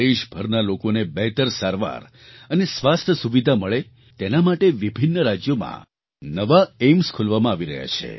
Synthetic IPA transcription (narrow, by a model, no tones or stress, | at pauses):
eʃbʱəɾnalokonebɛɦt̪əɾsaɾʋa̰ɾ | ənesʋast̪ʰəsuʋid̪ʱaməɭe | t̪enamaʈeʋibʱinːəɾad͡ʒjomã̰ | nəʋaemskʰulʋamãaʋiɾəɦja̰t͡ʃʰḛ